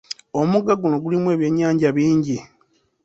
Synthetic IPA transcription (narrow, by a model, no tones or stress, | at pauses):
o̞muɡaɡuno̞ɡulimwe̞ːβje̞ɲːaːɲɟaβiːɲɟi